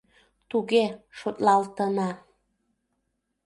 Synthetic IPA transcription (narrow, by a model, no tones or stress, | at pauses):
t̪uɣeʃot̪lɑlt̪ənɑ